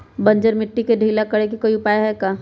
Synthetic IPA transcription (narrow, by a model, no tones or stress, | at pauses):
bɐ̃ɲd͡ʒəɾmɪʈːikeɖʱiːlakɐɽekikoːiʊpaːjɦɛkaː